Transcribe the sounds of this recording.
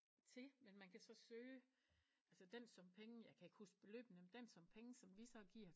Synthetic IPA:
t͡sʰe̝menmænkʰæsɒ̽søː | ʔælsəd̥ensɒ̽mpʰeŋəjɑ̈ɪkʰæe̝ɡ̥husɡ̥̚b̥e̝lø̰ːb̥n̩əmend̥ensɒ̽mpʰeŋəsɒ̽mʋisɒ̽ɡ̥iɐ̰

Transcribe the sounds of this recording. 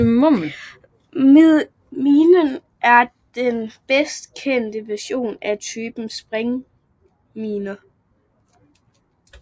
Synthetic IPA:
mom | meðˠ | miːnən | ʔæɐ | d̥enb̥esd̥kʰen̰d̥əʋæɐɕo̝̰ːnæt͡sʰyːb̥n̩sb̥ʁeŋ | miːnɐ

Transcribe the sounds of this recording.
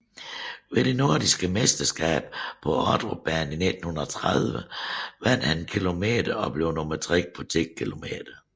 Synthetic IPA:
ʋe̝ɾ̥e̝no̝ɐdisɡ̥əmesd̥ɐsɡ̥ɛ̰ːb̥pʰɒ̽ɒd̥ʁob̥æːnine̝d̥n̩hunɐɒt͡sʰʁaðˠʋəʋæn̰d̥hænkʰilo̝me̝̰ːd̥ɐɒ̽b̥le̝ʊnomɐt͡sʰʁiɡ̥̚pʰɒ̽t͡sʰe̥kʰilo̝me̝̰ːd̥ɐ

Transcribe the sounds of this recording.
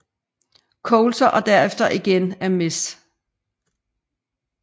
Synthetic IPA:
kʰɔʊlsɐʔɒ̽d̥æɐefd̥ɐʔiɡ̥enæɐme̝sd̥

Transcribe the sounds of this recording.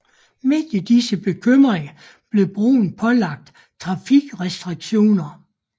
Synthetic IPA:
me̝d̥id̥isəb̥e̝kʰøm̰ʁeŋɐ | b̥le̝b̥ʁṵːn̩pʰɒ̽lɑ̈ɡ̥̚d̥ | t͡sʰʁɑ̈fiɡ̥ʁɛsd̥ʁiɡ̥ɕo̝̰ːnɐ

